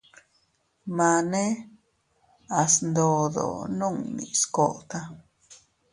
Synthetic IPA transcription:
ma˧ne˦ | a˨snd̪o˨d̪o̰˨no˦˨ŋnḭ̃˨sko˦˨ʔt̪a˦

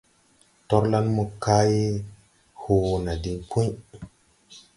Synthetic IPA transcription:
to˦ɾla˦nmu˨kːa˦je˦ | ho˨wna˨di˨ŋpʰu˦ɲ

